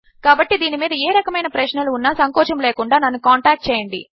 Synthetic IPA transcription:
kaːbɐʈːid̪iːnimiːd̪ɐeːɾɐkɐmɐjnɐpɾɐt͡ʃnɐluːnːɐsɐŋt̪ɔːt͡ʃɐmleːkuɳɖaːnɐnːukaːɳʈaːk̚ʈ̚t͡ʃɛːjɐɳɖḭ

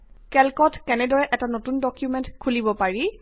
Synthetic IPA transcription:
kɛlkɔtkɛnɛdɔɹɛʔɛtanotundɔkjumɛntkʰulibɔpaɹi

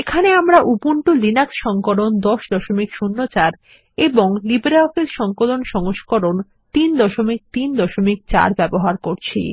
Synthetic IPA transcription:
ekʰaneamɾaʔupuɳʈulinaksʃɔŋkolond̪ɔʃd̪ɔʃomikʃunːot͡ɕaɾ | eboŋlibɾaokelʃɔŋkolonʃɔŋoʃkoɾon | t̪ind̪ɔʃomik̚t̪ind̪ɔʃomik̚t͡ɕa̰ɾbɛboɦaɾkoɾt͡ɕʰḭ

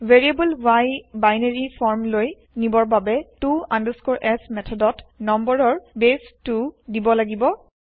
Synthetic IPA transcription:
veɹiebəlwajbajneɹifʰɔɹmloj | nibɔɹbabɛtuãndəskɔɹʔɛsmɛtʰɔdɔtnɔmbəɹɔɹbestudibɔlaɡibɔ

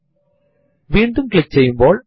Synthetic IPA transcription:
ʋiːɳɖɯmkɪɭɪk̚t͡ʃɛjɯmboːɭ

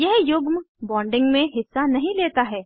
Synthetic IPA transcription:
jɛɦjʊɡm | bɔ̃ːɳɖɪ̃ŋɡmẽɦɪsːanɐɦĩleːt̪aɦɛː

